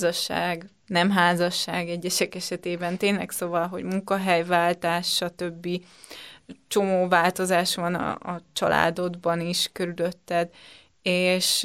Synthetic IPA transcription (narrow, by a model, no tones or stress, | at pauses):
ɒʃa̰ːɡ | nɛmɦaːzɒʃːaːɡɛɟːɛʃɛkɛʃɛt̪eːbɛnt̪eːnlɛksoːvɒlɦo̞̰ɟmuŋkɒɦɛjvaːlt̪aːʃːɒt̪ø̞bːi | t͡ʃo̞moːvaːlt̪o̞zaːʃʋɒnɒ̰ːt͡ʃɒ̰lʔa̰ːd̪o̞d̪bɒniʃkøɾyløt̪ːɛd̪ | eːʃ